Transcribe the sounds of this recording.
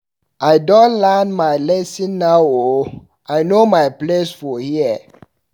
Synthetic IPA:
aɪdɔ̃nlanmaɪlɛsĩnːaʊo | aɪnomaɪplesfɔhiə

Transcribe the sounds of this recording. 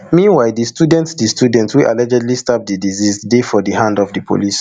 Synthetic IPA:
mĩnwaɪdistʰjudɛ̃ntsdistjudɛ̃ntwilʔa̰lɛd͡ʒɛdlistap̚dədizizdefɔdihãndɔvdəpʰo̰lis

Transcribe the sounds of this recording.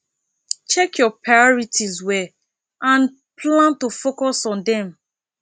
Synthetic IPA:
t͡ʃɛkjɔpʰɹajɔɹitʰizwɛ | ãn | plãntofokɔsɔ̃ndɛ̃m

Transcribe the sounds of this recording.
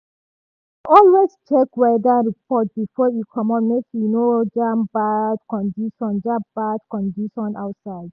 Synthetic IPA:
ʔɔlwest͡ʃɛkwɛdaɹip̚ʰɔt̚bifɔjukʰɔ̃mɔtmekjunod͡ʒãmbad̚kɔ̃ndiʃɔ̃nd͡ʒãmb̥ad̚kɔ̃ndiʃɔ̃nʔa̰ʊtsaɪd̥̚

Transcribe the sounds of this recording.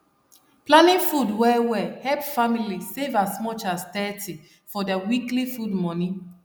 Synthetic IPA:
plãnĩfudwɛwɛhɛpfamilisevasmɔt͡ʃastɛtʰi | fɔdawiklifudmɔ̃nĩ

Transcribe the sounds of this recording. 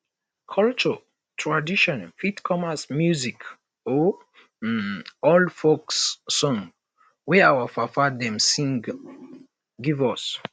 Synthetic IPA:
kʰɔlt͡ʃɔ | tʰɹadiʃɔ̃nfitkʰɔmasmjuzik | ɔ | ɔlfoksːɔ̃ŋ | wɛawafafadɛ̃msĩŋ | ɡivɔs

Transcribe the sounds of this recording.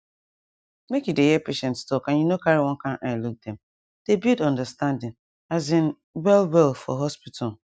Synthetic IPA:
mekjudehɛpeʃɛ̃ntstɔkãnjunokaɾiwɔ̃kãnʔaɪluk̚dɛ̃m | d̥ebidɔ̃ndəstãndɪ̃ŋ | azɪ̃n | wɛlwɛlfɔ̰ɦɔspitʰɔ

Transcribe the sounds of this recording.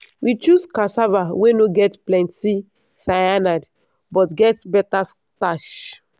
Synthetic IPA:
wit͡ʃuskasavawenoɡɛtplɛ̃nti | saanad | bɔtɡɛtbɛtas | taʃ

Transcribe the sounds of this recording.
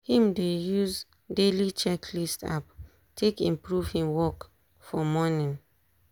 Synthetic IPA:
hĩmdejuz | delit͡ʃɛkʰlista̰p | tʰekĩmpɹuv̥hĩmwɔk | fɔmɔnĩn

